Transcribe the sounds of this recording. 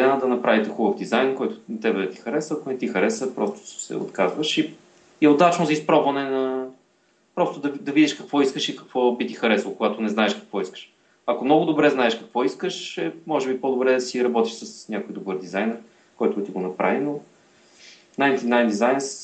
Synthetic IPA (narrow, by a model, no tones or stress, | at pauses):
ɛnad̪ɐnɐpɾavit̪ɛxubəvd̪izajnkɔjt̪ʊ̥t̪ɛbɛt̪ixɐɾɛsəːkʊnɛt̪ixɐɾɛsəpɾɔst̪ʊ̥sɛ̰o̰t̪kazvəʃi | iɛod̪at͡ʃnʊzɐispɾɔbvɐnɛnɐ | pɾɔst̪ʊd̪ɐd̪ɐvid̪ʲiʃkɐkvɔiskəʃikɐ̥kvɔbit̪ixɐɾɛsvokʊɡat̪ʊnɛznaɛʃkɐ̥kvɔiskə̥ʃ | ɐkomnɔɡʊd̪obɾɛznaɛʃkɐkvɔiskəʃɛmɔʒɛbipod̪obɾɛd̪ɐsiɾɐbɔt̪iʃsəsnʲakojd̪obɤɾd̪izajnɛɾ | kɔjt̪ʊt̪iɡonɐpɾa̰vino | najnt̪inajnd̪izajns